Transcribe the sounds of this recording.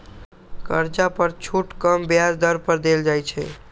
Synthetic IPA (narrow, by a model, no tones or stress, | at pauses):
kəɾt͡ʃapəɾt͡ʃʰuʈkəmbjad͡ʒd̪əɾpəɾd̪eld͡ʒajt͡ʃʰɛ̰